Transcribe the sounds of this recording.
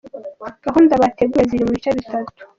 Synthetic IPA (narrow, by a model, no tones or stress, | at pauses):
ɡ̥aɦuːndaβate̞ɡujeziɾimuβit͡ʃaβitatu̥